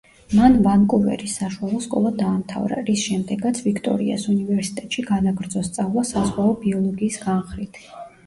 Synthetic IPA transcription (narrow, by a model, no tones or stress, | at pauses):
manvaŋkʼuvɛ̰ɾisaʃualˠɔskʼɔ̰lˠad̪aːmt̪ʰa̰vɾa̰ɾisʃɛmd̪ɛɡat̪sʰvikʰt̪ʼɔ̰ɾḭa̰sunivɛɾsi̥t̪ʼɛt̪ʼʃiɡad̪aɡɾd̪zɔst̪sʼavlˠasazʁaɔbiɔlˠɔɡiːsɡanχɾit̪ʰ